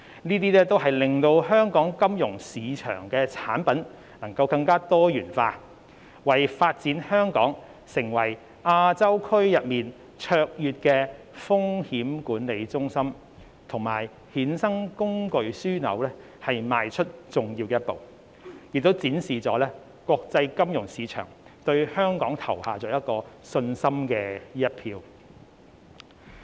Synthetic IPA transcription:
niː˥t̪iː˥lɛː˥t̪o˥wɦɐ˨jlɪ˨ŋt̪o˧wɦœː˥ŋkɔː˨˥ŋkɐ˥mjʊ˨˩ŋsiː˨˧t͡ʃʰœ̰ː˨˩ŋkɛː˧t͡sʰaː˨˥npɐ˨˥n | nɐ˨˩ŋkɐ˧wkɐ˧ŋkaː˥t̪ɔː˥jyː˨˩nfaː˧ | wɐ˨˩jfaː˧t̚t͡siː˨˥nhœː˥ŋkɔ̰ː˨˥ŋ | sɪ˨˩ŋwɐ˨˩j | ʔaː˧t͡sɐ˥wkʰɵ˥ɥjɐ˨t̚miː˨n | t͡ʃʰœː˧k̚jyː˨˧t̚kɛː˧ | fʊ˥ŋhiː˨˥mkuː˨˥nle˨˧jt͡sʊ˥ŋsɐ˥m | t̪ʰʊ˨˩ŋmaː˨˩j | hiː˨˥nsɐ˥ŋkʊ˥ŋkɵ˨˧ɥsyː˥nɐ̰˨˥wlɛː˥ | hɐ˨jmaː˨jt͡ʃʰɵ˥t̚t͡sʊ˨˩ŋjiː˧wkɛː˧˥ɐ˥t̚po̰˨w | jɪ˨˩t̪o˥wt͡siː˨˥nsiː˨˩t͡sɔː˨˥lɛː˥ | kwɔː˧k̚t͡sɐ˧jkɐ˥mjʊ˨˩ŋsiː˨˧˥t͡ʃʰœ̰ː˨˩ŋt̪ɵ˧ɥhœː˥ŋkɔː˨˥ŋt̪ʰɐ˨˩whaː˨t͡sɔː˨˥jɐ˥t̚kɔː˧sɵ˧nsɐ˥mkɛː˧jɐ˥t̚pʰiː˧w

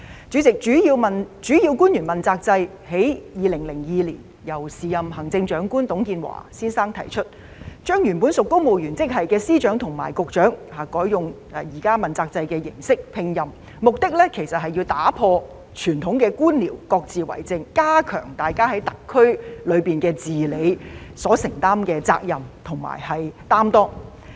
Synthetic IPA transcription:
t͡ʃy˨˥t͡sɪ˨k̚t͡ʃyː˨˥jiː˧wmɐ˨nt͡ʃyː˨˥jiː˧wkuː˥njyː˨˩nmɐ˨nt͡saː˧k̚t͡sɐ˧j | he˨˥jjiː˨˧lɪ˨˩ŋlɪ˨˩ŋjiː˨˧liː˨˩n | jɐ˨˩wsiː˨jɐ˨mɦɐ˨˩ŋt͡sɪ˧ŋt͡ʃœː˨˥ŋkuː˥nt̪ʊ˨˥ŋkiː˧nwa̰ː˨˩siː˥nsaː˥ŋt̪ʰɐ̰˨˩jt͡ʃʰɵ˥t̚ | t͡ʃœː˥ŋjyː˨˩npuː˨˥nsʊ˨kːo˥wmo˨˩wjyː˨˩nt͡sɪ˥k̚hɐ˨jkɛː˧siː˥t͡ʃœː˨˥ŋt̪ʰʊ˨˩ŋma̰ː˨˩jkʊ˨k̚t͡ʃœː˨˥ŋhaː˨˩kɔː˨˥jjʊ˨ŋ˨˧ | jiː˨˩kaː˥mɐ˨nt͡saː˧k̚t͡sɐ˧jkɛː˧jɪ˨˩ŋsɪ˥k̚pʰɪ˧ŋjɐ˨m | mʊ˨k̚t̪ɪ˥k̚lɛ˥kʰe˨˩jsɐ˨t̚ɦɐ˨jiː˧wt̪aː˨˥pʰɔː˧ | t͡ʃʰyː˨˩nt̪ʰʊ˨˥ŋkɛː˧kuː˥nliː˨˩wkɔː˧k̚t͡siː˨wɐ̰˨˩jt͡sɪ˧ŋkaː˥kʰœː˨˩ŋt̪aː˨jkaː˥ɦɐ˨˥jt̪ɐ˨kʰːɵ˥ɥlɵ˨˧ɥpiː˨nkɛː˧t͡siː˨le˨˧jsɔː˨˥sɪ˨˩ŋt̪aː˥mkɛː˧t͡sa̰ː˧k̚jɐ˨˩mt̪ʰʊ˨˩ŋma̰ː˨˩jhɐ˨jt̪aː˥mt̪ɔː˥

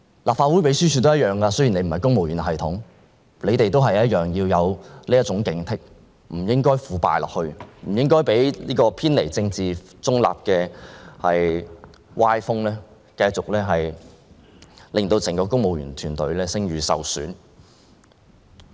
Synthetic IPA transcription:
laː˨p̚faː˧wu˨˥jpe˨˥jsyː˥t͡sʰy˨˥t̪o˥jɐ˥t̚œː˨˩ŋkaː˧sɵ˥jne˨˧jm̩˨˩hɐ˨˩jkʊ˥ŋmo˨wjyː˨˩nɦɐ˨˩jt̪ʰʊ̰˨˥ŋ | le˨˧jt̪e˨jt̪o˥wɦɐ˨jɐ˥t̚jœː˨ŋjiː˧wjɐ˨˧wliː˥jɐ˥t͡sʊ˨˥ŋkɪ˨˥ŋt̪ʰɪ˥k̚ | m̩˨˩jɪ˥ŋkɔː˥jfuː˨˧pa̰ː˨jlɔ̰ː˨k̚hɵ˧ɥm̩˨˩jɪ˥ŋkɔː˥jpe˨˥jliː˥kɔː˧pʰiː˥nle˨˩jt͡sɪ˧ŋt͡siː˨ | t͡sʊ˥ŋla̰ː˨p̚kɛː˧hɐ˨j | waː˥jfʊ˥ŋlɛː˥ | kɐ˧jt͡sʊ˨k̚lɛː˥ɦɐ˨j | lɪ˨˩ŋt̪o˧wt͡sʰɪ˨˩ŋkɔː˧kʊ˥ŋ̚mo˨wɥyː˨˩nt̪ʰyː˨˩nt̪ɵ̰˨˥ɥlɛː˥sɪ˥ŋɥyː˨˧sɐ̰˨wsy̰ː˨˥n

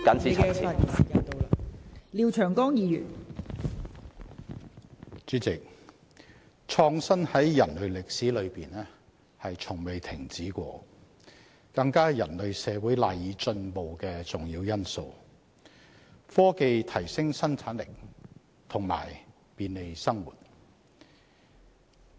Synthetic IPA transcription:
kɐ˨˥nsiː˥a˨ɐ˨jɐ˨t̪o˧ | liː˨˧wt͡ʃʰœː˨˩ŋkɔː˥ŋjiː˨˧jyː˨˩n | t͡ʃyː˨˥t͡sɪ˨k̚ | t͡ʃʰɔː˧ŋsɐ˥nhɐ˨˥jjɐ˨˩nlɵ˨˧ɥlɪ˨k̚siː˨˥lɵ˨˧ɥpiː˨nɛː˥ | hɐ˨jt͡sʰʊ˨˩ŋme˨jt̪ʰɪ˨˩ŋt͡siː˨˥kʷɔ̰ː˧ | kɐ˧ŋkaː˥jɐ˨˩nlɵ˨˧ɥsɛː˨˧wuː˨˥jlaː˨jːiː˨˧t͡ʃɵ˧npo˨wkɛː˧t͡sʊ˨ŋjiː˧wjɐ˥nso˧w | fɔː˥ke˧jt̪ʰɐ˨˩jsɪ˥ŋsɐ˥nt͡sʰaː˨˥nlɪ˨˩k̚ | t̪ʰʊ˨˩ŋma̰ː˨˩j | piː˨nle˨˧jsɐ˥ŋwṵː˨˩t̚

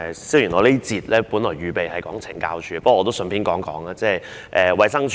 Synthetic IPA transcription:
siː˥wjy˨˩nɔː˨˧liː˥t͡siː˨˧t̚lɛː˥puː˨˥nlɔː˨˩jyː˨˧pe˨jhɐ˨jkɔː˨˥ŋt͡sʰɪ˨˩ŋka̰ː˧wt͡ʃʰyː˨˥pɐ˥kwɔː˨˧t̪o˥wsə˧npʰiː˥nkɔː˨˥ŋkɔː˨˥ŋaː˧˥t͡sɛː˥˩j | ʔɛː˨wɐ˨˧jsɐ˥ŋt͡ʃʰ

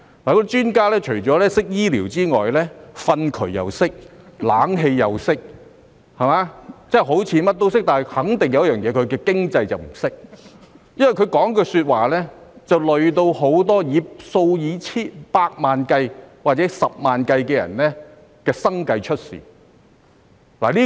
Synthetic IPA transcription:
laː˨˩kt͡ʃyː˥nkaː˥lɛː˥t͡ʃʰɵ˨˩ɥt͡ʃɔː˨˥lɛː˥sɪ˥k̚jiː˥liː˨˩wt͡siː˥ŋɔː˨jlɛː˥fɐ˧nkʰɵ˨˩ɥjɐ̰˨wsɪ˥k̚laː˨˥ŋɦe˧jːɐ˨wsɪ˥k̚ | hɐ˨˩maː˨˧˥t͡sɛː˥˩ɦo˨˥wt͡sʰiː˨˧˥mɐ˥t̚t̪o˥wsɪ˥k̚t̪aː˨˩n˨jhɐ˨˥ŋt̪ɪ˨ŋjɐ˨˧wjɐ˥jœː˨ŋjɛː˨˧kʰɵ˨˧ɥkɛː˧kɪ˥ŋt͡sɐ˧jt͡sɐ˨wm̩˨˩sɪ˥k̚ | jɐ˥nwɐ˨jkʰɵ˨˧kɔː˨˥ŋkɔː˧syː˧t̚waː˨lɛː˥t͡sɐ˨wlɵ˨ɥt̪o˧who˨˥wt̪ɔː˥jiː˨˧so˧wjiː˨˧t͡sʰiː˥npaː˧k̚maː˨nkɐ˧jwaː˨t̚t͡sɛː˨˥sɐ˨p̚maː˨nkɐ˧jkɛː˧jɐ̰˨˩nlɛː˥ | kɛː˧sɐ˥ŋkɐ˧jt͡ʃʰɵ˥t̚sḭː˨ | la̰ː˨˩liː˥

